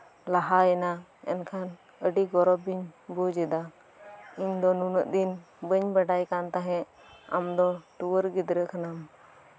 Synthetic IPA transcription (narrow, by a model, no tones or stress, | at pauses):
laɦajɛnaɛ̰nkʰan | əɖiɡɔɾɔbiɲbɔd͡ʒɛd̪a | iɲd̪ɔnunəʔd̪in | bəɲbaɖajkant̪aɦɛ̃ | a̰md̪ɔʈuwəɾɡid̪ɾəkʰanam